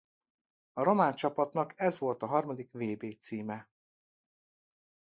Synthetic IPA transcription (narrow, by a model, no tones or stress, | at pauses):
ɒɾo̞maːnt͡ʃɒpɒt̪nɒkɛzvo̞lt̪ɒɦɒrmɒd̪ikveːbeːt̪siːmɛ